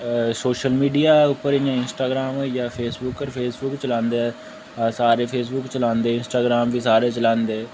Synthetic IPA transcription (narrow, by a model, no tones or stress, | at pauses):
soːʃəlmiːɖiːaːʊpːəɾɪjãːɪnsʈaːɡɾaːmoijɛːpʰeːsbʊkːəɾpʰeːsbʊkt͡ʃəlãːnd̪eːɛː | saːɾeːpʰeːsbʊkt͡ʃəlãːnd̪eːɪnsʈaːɡɾaːmʋiːsaːɾeːt͡ʃəlãːnd̪eː